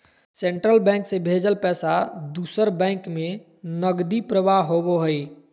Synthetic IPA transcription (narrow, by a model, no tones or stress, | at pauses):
sẽɳʈɾəlbɛ̃ːŋksebʱeːd͡ʒəlpɛːsad̪uːsəɾbɛ̃ːŋkmẽ | nəɡd̪ipɾəʋaɦoboɦəi